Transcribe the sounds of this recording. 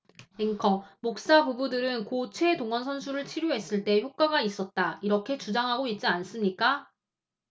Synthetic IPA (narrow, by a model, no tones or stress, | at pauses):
eŋkʰʌmok̚s͈abubudɯɾɯnkot͡ɕʰwe̞doŋwʌnsʰʌnsʰuɾɯɭt͡ɕʰiɾjoɦe̞s͈ɯɭt͈e̞çjok̚k͈waɡais͈ʌt̚t͈aiɾʌkʰe̞t͡ɕud͡ʑaŋɦaɡoit̚t͡ɕ͈ians͈ɯmɲik͈a